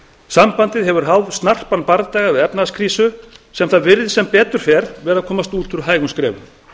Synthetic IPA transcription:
sampant̪ɪðɦɛvʏɾ̥ɦawðst̪nar̥panpaɾðt̪aːjɣavɪðɛpnaskʰɾiːsʏsɛmθaðvɪɾðɪsɛmpɛːt̪ʏɾ̥fɛɾvɛːɾaðkʰɔːmast̪uːlt̪ʰʏɾɦaːjɣʏnskɾɛ̰ːvʏ̰m

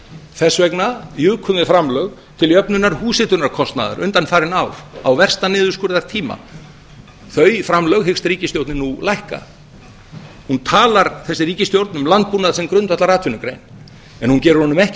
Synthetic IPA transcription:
θɛsvɛknajʏːkʰʏmðɪfɾamlœɣ | t̪ʰɪljœpnʏnːaɾhuːsɪt̪ʏɾnaɾkʰɔst̪na̰ða̰ɾʔʏnt̪anfaːɾɪnawawvɛr̥st̪anɪːðʏskʏɾðaɾ̥t̪ʰiːma̰ | θœɥjfɾamlœɣɦɪkst̪ɾiːcɪst̪jowɾt̪nɪnulajhka̰ | hunt̪ʰaːlaɾθɛsːɪriːcɪst̪jowɾt̪nʏmlant̪̚punaðasɛmkɾʏnt̪vat̪laɾaːt̪ʰʏnːʏkɾḛjn | ɛnhuncɛːɾʏɾhɔnʏmɛhc

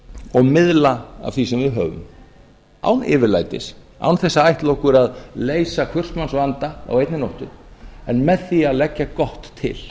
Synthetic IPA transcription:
ɔɣmɪðlaa̰v̥θisɛmvɪɦœːvʏ̰m | a̰wnɪ̰ːvɪɾla̰jt̪ɪ̰s | a̰wnθɛsːaajht̪lowhkʏɾaðleːjsakʰvʏr̥smansvant̪aa̰wejt̪nɪnowht̪ʏɾɛnmɛðθiaðlɛcːakɔht̪ʰːɪ̰l̥

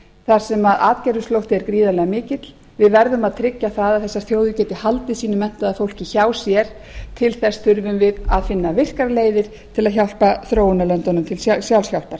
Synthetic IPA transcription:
θaɾ̥sɛmaðaːt̪cɛjɾʏst̪lowht̪ɪɛɾkɾiːðalɛɣamɪːcɪt̪l̥ | vɪðvɛɾðʏmaðt̪ʰɾɪcːaθaðaðθɛsːḁθjoːwðʏcɛːt̪ɪhalt̪ɪsiːnʏmɛn̥t̪aðaðfowl̥cɪçaːwsjɛɾ̥ | t̪ʰɪlθɛsθʏɾvʏmvɪða̰ðfɪnːavɪr̥kaɾleːjðɪɾ̥ | t̪ʰɪlaðçawl̥paθɾoːwʏnalœnt̪ɔnʏmt̪ʰɪlsjawlsjawl̥paɾ̥

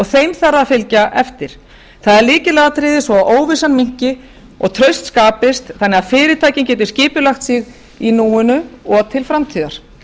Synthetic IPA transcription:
ɔɣθejmθarːafɪlcaʔɛft̪ɪɾ̥ | θaðɛɾliːcɪlɛɣat̪ʰɾɪːðɪsvɔaʔoːwvɪsanmiɲ̥cɪ | ɔɣt̪ʰɾœɥst̪skaːpɪst̪θanːɛaðfɪːɾɪɾt̪ʰaːjcɪncɛːt̪ɪɾ̥scɪːpʏlaxt̪siɣ | inuːɪnʏɔɣt̪ʰɪlfɾamt̪ʰiːðaɾ̥

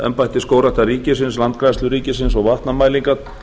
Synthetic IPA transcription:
ɛ̰mpajht̪ɪskoːwɾaht̪ariːcɪsɪnslant̪̚kɾast̪lʏɾiːcɪs̬ɪnsɔɣvaht̪namaːjliŋkat̪

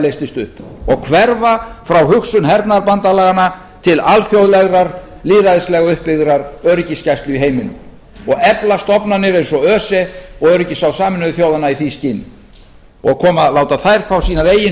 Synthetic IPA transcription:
lejst̪ɪst̪ʏhpɔɣkʰvɛɾvafɾawhʏksʏnɦɛɾt̪naɾpant̪alɛːɣana | t̪ʰɪlalfjowðlɛɣɾaɾ | liːðaðslɛɣaʏhpːɪðɾaɾœɾʏciscajst̪lʏiɦeːjmɪnʏ̰m | ɔɣɛplast̪ɔpnanɪɾejnsɔœːsɛɔɣœɾɪcɪsawsaːmɪnʏðʏθjowðanaiθiscɪnː | ɔɣkʰɔːmaðlaːwt̪aθajɾ̥θawsiːnaðeːjɪ

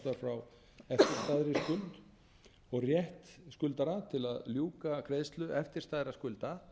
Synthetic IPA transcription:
t̪aɾfɾaw | ɛft̪ɪɾ̥st̪aðɾɪskʏlt̪ | ɔɣrjɛht̪skʏlt̪aɾat̪ʰɪlaðljuːkakʰɾeːðst̪lʏʔɛft̪ɪ̥st̪aːðɾaskʏlt̪a

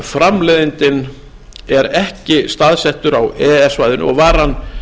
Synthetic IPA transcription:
fɾamlɛːðɪnt̪ɪn | ɛɾɛhcɪst̪aðsɛht̪ʏɾawɛːɛsvaːjðʏnɔ̰ɣvaːɾanː

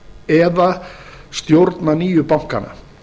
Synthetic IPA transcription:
ɛðast̪jowɾt̪naniːjʏpawŋ̥ka̰nːa̰

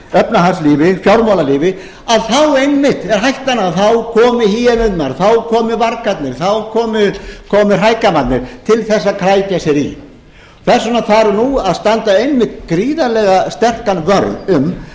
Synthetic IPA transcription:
œpnaɦansliːvɪfjawɾmawlaliːvɪ | aðθawejnmɪht̪ɛɾ̥ɦajht̪anaðθawkʰɔːmɪhiːɛnʏt̪naɾθawkʰɔːmɪvaɾkat̪nɪɾθawkʰɔːmʏkʰɔːmɪr̥ajkamant̪nɪɾ̥t̪ʰɪlθɛsːakʰɾaːjcasjɛɾḭ | kɛr̥sanafaɾnuaðst̪ant̪aejnmɪt̪kɾiːðalɛɣast̪ɛr̥kanvœɾðʏm

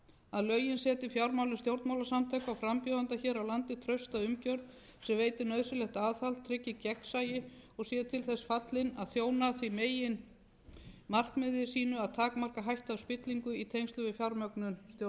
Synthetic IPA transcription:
aðlœɥjɪnsɛːt̪ɪfjawɾmawlɪnst̪jowɾt̪mawlasamt̪ʰajkawfɾampjœːðant̪açɛːɾawlant̪ɪt̪ʰɾœɥst̪aðʏmcœɾð | sɛmveːjt̪ɪnœðsɪlɛxt̪aːðθalt̪ʰːɾɪcːɪcɛksajɪɔɣsjɛːt̪ʰɪlθɛsfat̪lɪnaðθjoːwnaθvimeːjɪn | mar̥kmɪðɪsiːnʏaðt̪ʰaːkmar̥kaɦajht̪aðspɪt̪liŋkʏit̪ʰejŋst̪ʏvɪfjawɾmœknʏnst̪jo

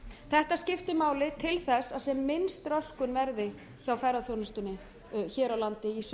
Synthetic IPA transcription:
θɛht̪ascɪft̪ɪmaːwlɪt̪ʰɪlθɛsːaðsɛmːɪnst̪ɾœskʏnvɛɾðɪ | çawfɛɾaθjownɪst̪ʏnːɪ | çɛːɾawlant̪ɪis

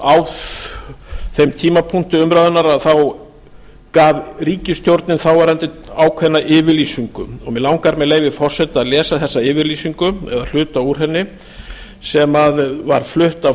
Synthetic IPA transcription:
aw | θejmt̪ʰiːmapʰun̥t̪ʏʏmɾaðʏnaɾaðθaw | kaːvriːcɪst̪jowɾt̪nɪnθawvaɾhant̪ɪaːwkʰvɛnːaʔɪːvɪɾliːsiŋkʏɔɣmɛðlawŋkaɾmɛðleːjvɪfɔr̥sɛt̪aðlɛːsaθɛsːaɪːvɪɾliːsiŋkʏɛ̰ðal̥ʏːt̪auɾ̥ɦɛnːɪ | sɛmaðva̰ɾ̥flʏht̪a

